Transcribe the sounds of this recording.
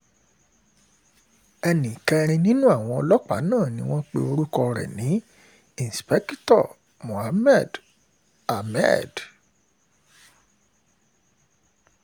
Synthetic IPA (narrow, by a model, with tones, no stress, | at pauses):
ɛ˧nĩ˨kɛ˧ɾ̃ĩ˧nĩ˦nũ˦a˦˨w̃ɔ̃˧ɔ˧lɔ˦k͡pa̰˨˦nãː˦˨nĩ˨˦w̃ɔ̃˦k͡pḛ˧o˧ɾu˦kɔ˧ɾɛ̰˨nĩ˨˦ | i˨n˨spɛ˦ktɔ˦˨ | mũ˨ha˨˦mɛ˦˨d | a˨mɛ̰˦˨d